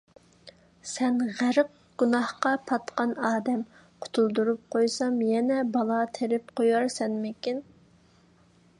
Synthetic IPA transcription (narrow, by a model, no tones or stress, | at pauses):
sɛnʁæɾəq̚ | ɡ̥unɑhqɑpʰɑt̪qɑnɑːd̪ɛm | qʰʊ̥t̪ʰulˠd̪uɾup̚qʰojsɑmjɛnɛbɑlˠɑt̪ʰeɾɪp̚qʰojɑɾsɛnmɪkʲin